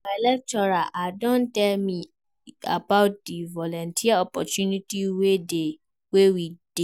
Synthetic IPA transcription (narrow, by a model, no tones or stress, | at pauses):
ɛlɛk̚tɔɾaʔadɔ̃ntɛlmĩ | a̰baʊt̚divɔlɔ̃ntʰiaɔpɔtũnĩtiwede | wewid̥e